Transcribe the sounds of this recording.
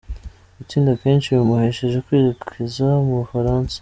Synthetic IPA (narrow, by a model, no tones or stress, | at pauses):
it͡siːndakeːnʃijumuheʃeʒekwiːɾikʰizamufaɾaːnsḁ